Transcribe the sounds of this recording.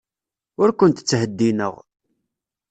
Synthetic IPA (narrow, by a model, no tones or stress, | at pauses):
ʊɾkʷʊnt̪t͡sːɦəd̪ːinə̰ʁ